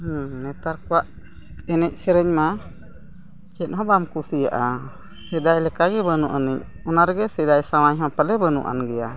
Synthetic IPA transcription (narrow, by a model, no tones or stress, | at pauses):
nɛt̪aɾkɔwaʔ | ɛnɛc̚ˀsɛɾɛɲma | t͡ʃɛt̪̚ˀɦɔ̃bamkusijaʔa | sɛd̪ajlɛkaɡɛbənuʔənɛc̚ | ɔnaɾɡɛsɛd̪ajsamajɦãpəlɛbənṵʔa̰nɡɛja